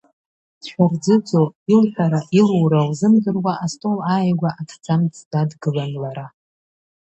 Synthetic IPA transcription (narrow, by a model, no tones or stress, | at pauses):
d̥ʃʷᶣard͡zɨd͡zʼoilħʷᶣaɾaʔiluwɾawzɨmdɨrwaʔastʼolaːjɡʷaʔatʰd͡zʰʼamt͡sʰʼdadɡɨlanlaɾa